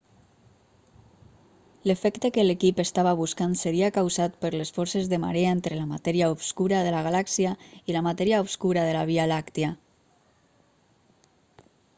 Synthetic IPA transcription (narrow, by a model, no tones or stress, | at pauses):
ləfɛkt̪əkəlekipest̪aβaβuskansəɾiakawzat̪̚pəɾləsfɔɾsezðəma̰ɾeaent̪ɾəlamat̪ɛɾiaupskuɾaðəlaɣalaksiailamat̪ɛɾiaupskuɾaðəlaβ̞ialakt̪ia